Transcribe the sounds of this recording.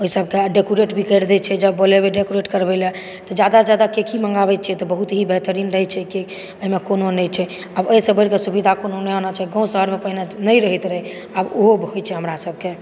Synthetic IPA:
oisəbkeaɖekoɾeʈbʱikəɾd̪ɛt͡ʃʰɛd͡ʒəbːolebeɖekoɾeʈkəɾbelɛ | t̪ɔd͡ʒjad̪ad͡ʒjad̪akekʰimə̃ŋɡabɛt̪t͡ʃʰɛt̪ɔbəɦut̪ɦibʱeɦt̪əɾiːnɾəɦɛt͡ʃʰɛki | oɦimekononɛt͡ʃʰɛ | abəjsəbəɾkesubid̪ʱakononɛɦonət͡ʃʰɦɛɡɔ̃ũsəɦəɾmepəɦinenəjɾəɦit̪ɾəɦɛ | aboɦobɦojt͡ʃʰɛɦəmɾasəb̚ʱke

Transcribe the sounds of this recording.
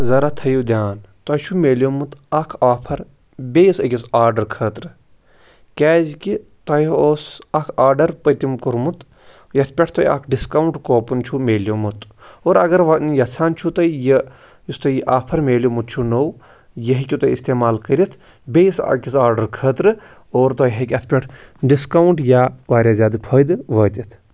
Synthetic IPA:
zɐɾaːt̪ʰɐjud̪ʲjaːnt̪ɐːt͡ʃʰumeːlʲjomut̪ɐkʰaːpʰɐɾ | bʲeːjisɐkʲisaːɾɖɐɾkʰəːt̪ɾɨ | kʲɛːzkʲit̪ɐjoːsɐkʰaːɾɖɐɾpət̪ʲimkuɾmut̪ | jɐt̪ʰpʲɐʈʰt̪ɐjɐ̰kʰɖiskɐwuɳʈkoːpunt͡ʃʰumeːljomut̪oːɾɐɡɐɾʋɐnjɐt͡sʰaːnt͡ʃʰut̪ɐjɐ | jist̪ɐjʔaːpʰɐɾmeːlʲjomut̪̚t͡ʃʰunow | jɐɦikʲut̪ɐist̪eːmaːlkəɾʲit̪ʰ | bʲejisa̰kʲisaːɾɖɐɾkʰəːt̪ɾɨ | oːɾt̪ɐjɦikʲɐt̪ʰpʲeʈʰɖiskawuɳʈjaːʋaːɾʲjaːzʲaːd̪ɨpʰɐjd̪ɨʋɐːt̪ʲit̪ʰ

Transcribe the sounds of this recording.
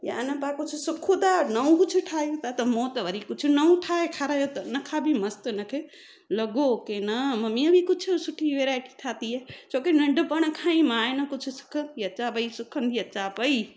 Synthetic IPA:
ja̰ːnɐpakʊt͡ʃʰusʊkʰːud̪anɐũkʊt͡ʃʰuʈʰaːjũt̪at̪ɐmõt̪ɐʋəɾikʊt͡ʃʰunɐũʈʰaekʰaɾajot̪ɐnɐkʰabʱimɐst̪nɐkʰe | lɐɡokenɐmɐmiɐbʱikʊt͡ʃʰusʊʈʰiʋeɾajʈi̥ʈʰaːt̪iet͡ʃʰoːkenɐɳɖpəɽ̃kʰãĩmaːenɐkʊt͡ʃʰusɪ̥kʰənt̪iɐt͡ʃabəisʊkʰənt̪ʰiɐt͡ʃapəi

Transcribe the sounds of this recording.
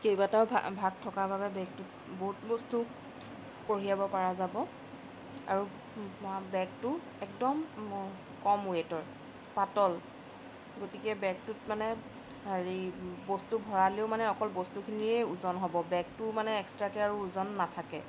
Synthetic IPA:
kejbatab̰bʱaɡ̚tʰɔkababɛbɛ̃k̚tut | boɦut̚bɔstu | koɹijabɔpaɹazabɔ | a̰ɹu | bɛk̚tʊ | ɛk̚dɔm | kɔmuetɔɹ | patɔl | ɡotikɛbɛk̚tʊtmanɛ | aɹibɔstubʱɔɹaleʊmanɛɔkɔlbɔstukʰiniɛuzɔnɦɔbɔbɛ̃k̚tʊmanɛɛkstɹakɛaɹuːzɔnːatʰakɛ

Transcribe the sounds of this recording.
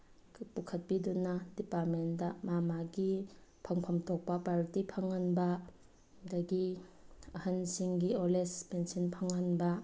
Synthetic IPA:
pukʰɐt̚pidunadipaɾmendɐmamaɡipʰaŋpʰamtʰɔk̚pɐpaɾtipʰaŋanbɐ | dɐɡi | ɐhansiŋɡiolespensɔnpʰaŋːanbɐ

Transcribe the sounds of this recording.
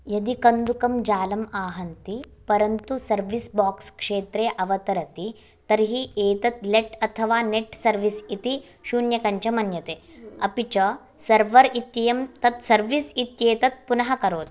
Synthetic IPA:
jɐd̪ikɐnd̪ukɐmd͡ʒaːlɐmaːɦɐnt̪i | pɐɾɐnt̪usɐɾʋisbaːkskʂeːt̪ɾeːʔɐʋɐt̪ɐɾɐt̪i | t̪ɐɾɦieːt̪ɐt̪leʈɐt̪ʰɐʋaːneʈsɐɾʋisit̪i | ʃuːnjɐkɐɲt͡ʃɐmɐnjɐt̪eːɐpit͡ʃɐ | sɐɾʋɐɾit̪jɐjɐmt̪ɐt̪sɐɾʋisit̪jeːt̪ɐt̪̚punɐɦɐkɐɾoːt̪

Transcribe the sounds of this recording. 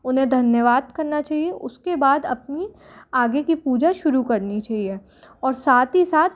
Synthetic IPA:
ʊnɦẽd̪ʱɐnjəʋaːd̪kɐɾnat͡ʃaːɦieʔʊskebaːd̪ɐ̰pni | aːɡekipuːd͡ʒaʃʊɾukɐɾnit͡ʃaːɦie | ɔːɾsaːt̪ɦisaːt̪

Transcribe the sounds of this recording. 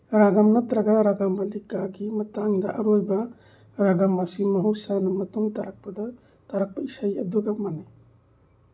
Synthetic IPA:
ɾaɡamnɐtɾɐɡaɾaɡambɐlikaɡimɐtaŋdɐ̰ʔɐɾojbɐ | ɾaɡamːɐsimɐɦusanɐmɐtuŋtɐɾak̚pɐdɐ | tɐɾak̚pɐisajɐduɡɐmanaj

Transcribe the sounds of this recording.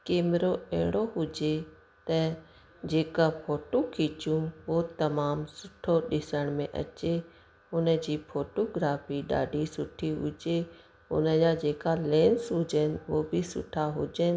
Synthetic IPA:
keːmɪɾoɛɦɽ̃oɦʊd͡ʒe | t̪ɐ | d͡ʑeːkapʰoːʈokʰiːt͡ʃũʋot̪ɐmaːmsʊʈʰoɗɪsəɽ̃mẽʔɐ̰t͡ʃe | ʊnə̆d͡ʑiːpʰoːʈoːɡɾaːfiɗa̰ːɖʱisʊʈʰiɦʊ̰d͡ʑe | ʊ̰nəd͡ʑad͡ʑeːkalẽːnsɦʊd͡ʒənɪʋobʱɪsʊ̰ʈʰaɦʊd͡ʑənɪ

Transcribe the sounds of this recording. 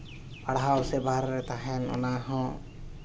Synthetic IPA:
paɽɦawsɛbʱaɾɾɛt̪aɦɛnɔ̰naɦɔ̃

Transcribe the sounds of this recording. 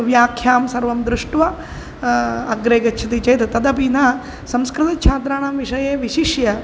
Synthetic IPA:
ʋjaːkʰjaːmsɐɾʋɐmd̪ɾuʂʈʋɐ | ɐɡɾeːɡɐt͡ʃʰɐt̪it͡ʃɐjt̪ɐt̪ɐd̪ɐpinɐ | sɐ̃mskɾɨt̪ɐt͡ʃʰaːt̪ɾaːɳaːmʋiʂɐjeːʋiʃiʃjɐ

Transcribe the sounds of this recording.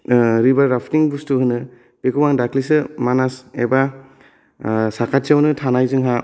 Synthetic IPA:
ɾibaɾapʰniŋbustuɦɯnɯ | b̥ekʰɯwaŋdakʰlisɯmanaseba | sakʰat̚siawnɯtʰanajzɯŋɦa

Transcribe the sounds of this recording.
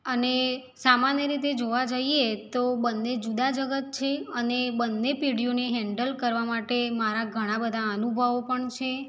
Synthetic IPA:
əne | samanjəɾit̪ed͡ʒoʋad͡ʒaiet̪obənːed͡ʒud̪ad͡ʒəɡət̪̚t͡ʃʰeənebənːepiɽ̤ijoneɦɛɳɖəlkəɾʋamaʈemaɾaɡʱəɽ̃ãbəd̪ʱaənubʱəʋopəɳt͡ʃʰe

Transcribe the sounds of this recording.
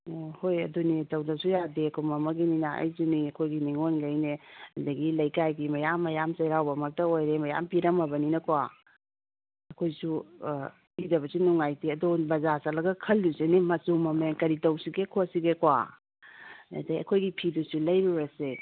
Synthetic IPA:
hojɐ̰dunitɐwdɐsujadekʰomɐmɐɡininaʔa̰jzuniɐkʰojɡiniŋonɡajneɐdɐɡilɐjkajɡimɐjamːɐjamsɐjɾawbɐmɐk̚tɐojɾemɐja̰mpiɾɐmɐbɐninɐkwa | ɐkʰojsu | pʰidɐβɐsunuŋajtiɐdubɐzasalɐɡɐkʰɐldusenimɐsumɐmeŋkɐɾitɐwsiɡekʰosiɡekwa̰ | ɐ̰dɐjɐ̰kʰojɡipʰidusulɐjɾuɾɐse

